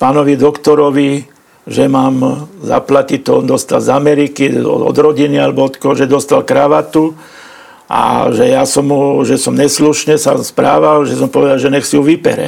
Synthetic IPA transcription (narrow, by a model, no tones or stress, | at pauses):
paːnɔʋid̪ɔkt̪ɔɾɔʋi | ʒɛmaːmza̰placit̪ɔ̰nd̪ɔst̪a̰lzamɛɾikḭɔ̰d̪ɾɔɟinialɛbɔɔt̪kɔɦɔʒɛd̪ɔst̪alkɾaʋat̪u | ʔa̰ʒɛjasɔmɦuʒɛsɔmɲɛsluʃɲɛsaspɾa̰ːʋalʒɛsɔmpɔʋɛd̪alʒɛɲɛxsiuʋipɛ̰ɾɛ̰